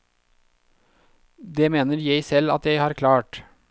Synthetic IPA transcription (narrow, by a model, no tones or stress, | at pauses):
d̪eːmeːnəɾjæɪsɛlɑ̰t̪jæɪhɑːɾkʰlɑːʈ